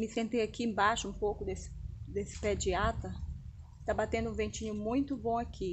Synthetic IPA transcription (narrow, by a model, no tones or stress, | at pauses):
mɪsẽnt̪ejakiẽbaʃʊũpowkʊd̪esɪ̥d̪esɪ̥pɛd͡ʒiat̪ɐ | t̪abat̪ẽnd̪ʊũvẽnt͡ʃĩɲʊmũj̃t̪ʊbõakʰi